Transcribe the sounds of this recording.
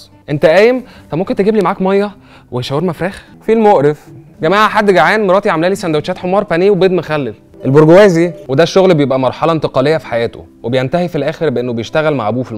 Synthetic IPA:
ʔent̪æʔæːjemt̪ˤɑbmomkent̪eɡiːblimaʕaːkmɑjːɑ | weʃæweɾmæfɾæːx | filmoʔɾef | ɡæmaːʕaħad̪ːɡaʕæːnmɾˤɑːt̪iʕamlæːlisænd̪æwet͡ʃæːt̪ħomɑːɾˤfæniːwebeːd̪mexælːel | ʔelboɾɡowæːziwed̪æʃːoɣlbejebʔæmɑɾˤħɑlɑʔent̪eqɑlejːæfi̥ħajæːt̪ʰo̰ | webejent̪æhifilʔæːxeɾbeʔenːobejeʃt̪æɣælma̰ʕbuːfi

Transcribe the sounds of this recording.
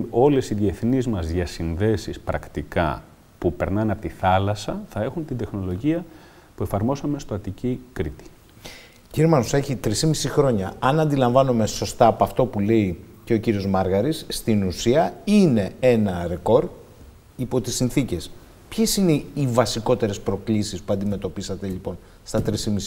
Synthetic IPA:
o̞le̞siðieθnizmɐzʝɐsinðe̞sispɾɐkt̪ikɐ̰ | pupe̞ɾnɐnɐpot̪iθɐlɐsɐθɐe̞xunt̪ind̪e̞xno̞lo̞ʝiɐ | pue̞fɐɾmo̞sɐme̞st̪oɐt̪icikɾit̪i̥ | ciɾimɐnose̞çit̪ɾisimisixɾo̞ɲɐɐnɐnd̪ilɐɱvɐnome̞so̞st̪ɐːpoɐft̪o̞pule̞ice̞ociɾio̞zmɐɾɣɐɾisːt̪inusiɐine̞e̞nɐɾe̞ko̞ɾd̪ | ipo̞t̪isinθice̞s | pçesine̞ivɐsiko̞t̪e̞ɾe̞spɾo̞klisispuɐnd̪ime̞t̪o̞pisɐt̪e̞ʎipo̞n | st̪ɐt̪ɾisimisi

